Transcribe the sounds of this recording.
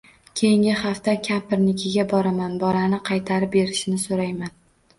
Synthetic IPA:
kʲʰe̞jɪŋʲɪχɑft̪akʲʰampɪɾnɪkʲʰɪɡʲabɒɾamanbɒlanɪqʰɑjt̪ʰaɾɪp̚be̞ɾɪʃɪnɪsoɾajman

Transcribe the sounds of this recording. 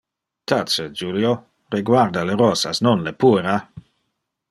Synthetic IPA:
t̪at͡sed͡ʒuljo | reɡwaɾd̪aleɾɔsasnonlepuɾa

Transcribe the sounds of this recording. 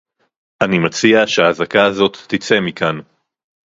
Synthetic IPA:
ʔanimat͡siaʃeaːzakaːzo̞t̪ːit͡se̞mikan

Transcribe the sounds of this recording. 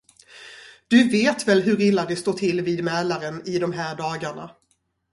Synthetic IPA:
d̪̥ɵveːt̪vɛlɦɵɾɪlːad̪ɛst̪oːʈʰɪlːviːd̪mɛːlaɾənɪd̪ɔmɦæːɖɑːɡaɳa̰

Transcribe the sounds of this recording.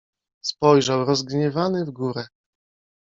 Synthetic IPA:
spɔjʐawɾɔzɡɲɛvanɘvɡuɾɛ

